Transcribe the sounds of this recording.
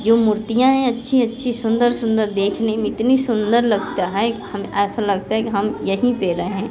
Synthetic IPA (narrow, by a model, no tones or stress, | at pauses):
d͡ʒoːmʊːɾt̪ijãɦɛ̃ɐtːʃʰiɐtːʃʰisʊ̃nd̪əɾsʊ̃nd̪əɾd̪eːkʰnemẽɪt̪nisʊ̃nd̪əɾlɐɡt̪aɦɛkɦɐmɛːsalɐɡt̪aɦɛkiɦɐmjɐɦipeːɾəɦeɦɛ̃ː